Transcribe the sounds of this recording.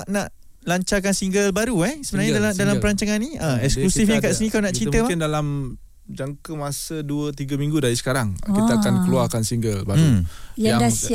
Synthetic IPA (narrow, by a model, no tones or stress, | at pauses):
aʔnaʔ | laɲt͡ʃak̬ansiŋɡəlbaɾuɛsəbənarɲadaladalampəɾaɲt͡ʃaŋanːiəɛksklusifɲãkaʔsənĩkaunaʔt͡ʃit̪əmandalam | d͡ʒaŋkəmasəduət̪iɡəmĩŋɡudaɾisə̥kaɾaŋkiaakankəluarkansiŋɡəlbaɾujadas